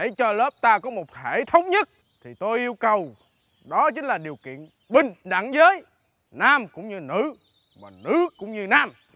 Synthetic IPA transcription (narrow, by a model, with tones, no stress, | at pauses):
ɗe˧˩˦jt͡ɕɔ˧ləː˦˥p̚t̪aː˧kɔ˨˦mo˨˩t̚he˧˩t̪ʰə˨˦wŋ͡mɲə˦˥t̚ | t̪ʰi˨˩t̪o˧jʔi˧əwkə˨˩w | ɗɔ˨˦t͡ɕï˨˦ŋ̟laː˨˩ɗi˨˩əwkḭ˧˨ən | ɓï˧˩ŋ̟ɗa̰˧˩ŋzəː˨˦j | naː˧mkʊ̰˧˥ŋ͡mɲɨ˧nɨ̰˧˥ | maː˨˩nɨ̰˦˧˥kʊ̰˧˥wŋ͡mɲɨ˧naː˧m